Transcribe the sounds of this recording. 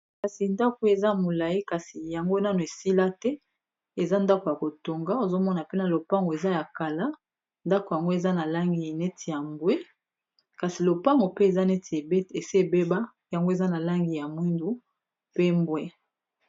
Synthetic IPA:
ka˨si˨nda˦ko˨e˨za˦˨mo˨la˨ji˦ka˨si˨ja˨ŋɡo˦na˦no˨e˨si˦la˦tɛ˦ | e˨za˦nda˦ko˨ja˨ko˨to˨ŋɡa˦o˨zo˦mɔ˦na˨pe˦na˨lo˨pa˦ŋɡo˨e˨za˦ja˨ka˨la˦ | nda˦ko˨ja˨ŋɡo˦e˨za˦na˨la˦ŋɡi˨ne˦tʰi˨ja˨mbwe˦ | ka˨si˨lo˨pa˦ŋɡo˨pe˦e˨za˦ne˦te˨si˦e˦˨be˦ba˦ | ja˨ŋɡo˦e˨za˦na˨la˦ŋɡi˨ja˨mwi˦ndu˨ | pe˦mbwe˦

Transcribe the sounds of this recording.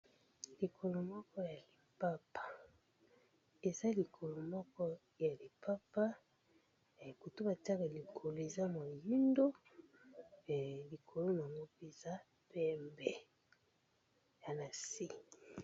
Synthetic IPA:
li˨kʰo˨lo˨mɔ˦kɔ˦ja˨li˨pa˦pḁ˨ | e˨za˦li˨kʰo˨lo˨mɔ˦kɔ˦ | ja˨li˨pa˦pa˦˨ | ko˨to˦ba˨ti˦a˦ka˨li˨kʰo˨lo˨e˨za˦mo˨ji˦ndo˦˨ | li˨kʰo˨lo˦na˨ŋɡo˦pe˦za˦ | pɛ˦mbɛ˨ | ja˨na˨si˦

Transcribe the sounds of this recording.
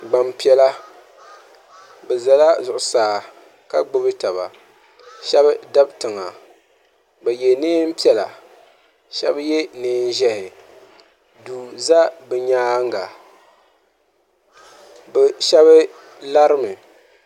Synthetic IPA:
ɡ͡ba˨mpi˨˦ɛ˦la˦ | bɛ˨za˨la˦zʊ˨ʔʊ˨saː˨˦ | ka˦ɡ͡bʊ˦bɨ˦ta˨βa̰˨ | ʃɛ˦bɨ˦da˦btɨ˨ŋa˨ | bɛ˨je˨nɨː˦m̩˦pi˦ɛ˨la̰˨ | ʃɛ̰˦bje˦nɨː˦n˦ʒɛ˦hɪ˨ | duː˨za˦bɨ˨ɲaː˦ŋ˦ɡa˨ | bɛ˨ʃɛ˦βɨ˦ | la˦ɾɨ˦mɨ˨

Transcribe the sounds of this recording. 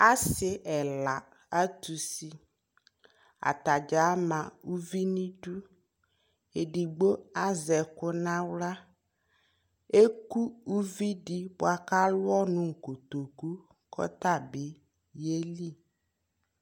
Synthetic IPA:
a˦sɪ˨ʔɛ˨la˨ | a˦t̪u˨si˦ | a̰˨t̪a˨d͡ʒa˨˦mã˨u˦vi˦nĩ˦ɖu˦ | e˨ɖi˨ɡ͡bo˦a˦zɛ˨ko˦nã˦wla˦ | e˦ku˦u˦vi˦ɖi˦bʊ˨a˨ka˦lʊ˦ɔ˦nũ˦˨ŋ̩˨ko˨t̪o˨ku˦ | kɔ̰˦t̪a˦˨be˨˦ | je˦li˦˨

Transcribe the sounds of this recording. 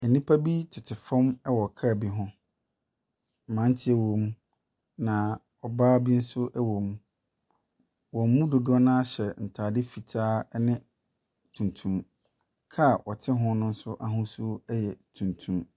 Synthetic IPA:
ɛ˨nĩ˦pʰa˦bi˦tʰɪ˨tʰɪ˨fɔ̃˦mɛ˦wɔ˨kʰa˦a˨bi˦ɦʊ̃˦˨ | mã˨˦n˦tʰɪ˦ɛ˦wõ˨m | nã˨ | ɔ˨baː˦bi˦n̩˦sʊ˦ʔɛ˦wõ˨m | wɔ̃˨m˦mũ˦dʊ˨dʊ˦ɔ˦nã˦a˦ɕɛ˨n̩˨tʰaː˨dɪ˦fi˨tʰaː˦nɪ̃˦ | tʰũ˨ntʰũ˦m | kʰa˦˨wɔ˨tʰɪ˦ɦʊ̃˦nʊ̃˦n̩˦sʊ˦ʔa˨ɦʊ̃˦sʊ˦ɛ˦jɛ˨tʰũ˨ntʰũ˦m

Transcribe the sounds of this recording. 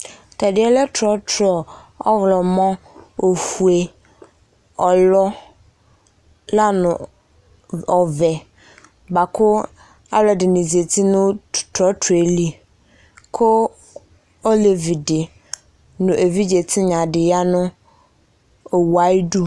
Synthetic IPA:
tʰa˨dɪ˨˦ɛ˦lɛ˦tʰɔ˦tʰɾɔ˨ɔ˦vʊ˨lɔ˨mɔ̃˦ | o˨fu˨e˨ | ɔ˨lɔ˦ | la˦nʊ̃˨ | ɔ˨vɛ˨ | ba˨kʰʊ˦ | a˦wlɔ˨dɪ˨nĩ˨zi˨e˨tʰi˦nʊ̃˦tʰɔ˦tʰe˨li˦ | kʰʊ˦ | ɔ˦le˨vi˨dɪ˨ | nʊ̃˨ʔe˨vi˦d͡ʑe˨tʰɪ˦ɲã˨dɪ˨ja˦nʊ̃˦ | o˨wa˨˦i˦du˦

